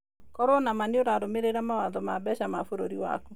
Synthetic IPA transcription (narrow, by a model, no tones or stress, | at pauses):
kɔɾonamaneoɾaɾomeɾeɾamawaðɔmabɛɕamafoɾoɾiwa̰ku